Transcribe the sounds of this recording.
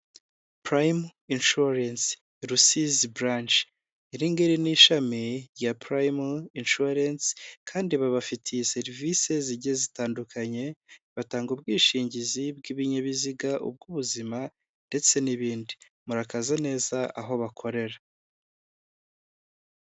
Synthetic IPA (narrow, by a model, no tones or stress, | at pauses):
pɾajminʃuɾans | ɾusizbɾant͡ʃ | iɾiŋɡeɾiniːʃamiɾjapɾajminʃuɾanskʰaːndiβaβafitʰijse̞ɾvise̞ziɟezitaːndukʰaɲe̞βataːŋɡub̚ɡiːʃiːɲɟizibɡiβiɲaβiziɡaʔṵb̚ɡuβuzima | nde̞t͡se̞niβiːndi | muɾakazane̞ːzaʔaɦo̞βakʰo̞ɾe̞ɾa